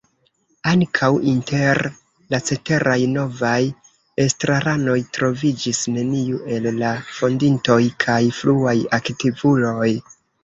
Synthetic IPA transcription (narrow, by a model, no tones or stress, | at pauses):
aŋkʰawʔinte̞ɾ | lat͡se̞te̞ɾʔajno̞vaj | e̞stɾaɾano̞jtɾo̞vid͡ʒisne̞niuʔe̞lːafo̞ndinto̞jkʰajfluajaktivulo̞j